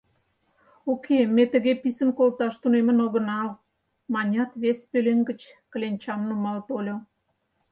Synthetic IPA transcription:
okʰemet̪ə̆ɣepisə̆nkolt̪ɑʃt̪unemə̆noɣə̆nɑl | mɑnʲɑt̪βespøleŋɡə̆t͡ɕ | kə̆lʲenʲt͡ɕɑmnumɑlt̪olʲo

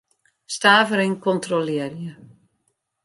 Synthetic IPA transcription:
staːvəɾɪnkɔntrolɪərjə

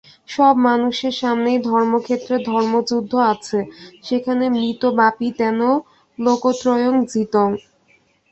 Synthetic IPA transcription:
ʃɔbmanuʃeɾʃamnejd̪ʱɔɾmokʰet̪ːɾed̪ʱɔɾmod͡ʑud̪ʱːoat͡ɕʰeʃekʰanemɾit̪obapit̪ɛno | lokot̪ɾɔjoŋd͡ʑit̪oŋ

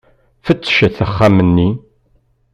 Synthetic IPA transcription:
fət͡sːʃəθəχːamənːi

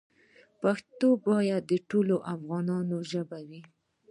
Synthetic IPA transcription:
paxt̪obɑjad̪ːəʈoloʔafɣɑnɑnoʒəbawi

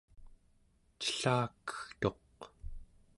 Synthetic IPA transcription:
t͡ʃə̥ɬaːkə̥xt̪o̞q

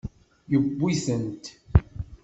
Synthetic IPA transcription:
jəbːiθənt̪

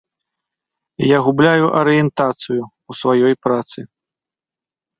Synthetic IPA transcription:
jaɣublʲajuʔɐɾɨjɛnt̪at̪sɨju | usvajɔjpɾat̪sɨ

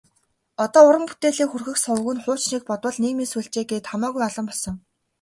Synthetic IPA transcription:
ɔt̪ɔːʊɾə̆mpu̥t̪eːɮeːkxurxɘ̆xsɔwɣɘ̆nχʊːt͡ɕniːk̚pɔt̪wə̆ɮniːɣmiːnsujɬt͡ɕeːɡeːt̪χamaːɣujaɮə̆mpɔɮsɞ̆ŋ

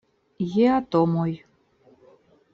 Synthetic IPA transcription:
jeat̪omoj

